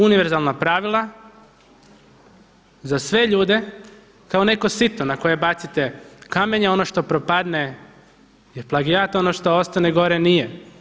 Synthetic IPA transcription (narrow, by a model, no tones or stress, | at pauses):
uniʋeɾzalˠnapɾaʋilˠa | zasʋe̞ʎuːd̪e̞ | kao̞ne̞ko̞sit̪onako̞jebat̪sit̪e̞kameɲeo̞noʃt̪o̞pɾopad̪ne | iplˠaɡijat̪o̞noʃt̪oost̪aneɡo̞ɾenije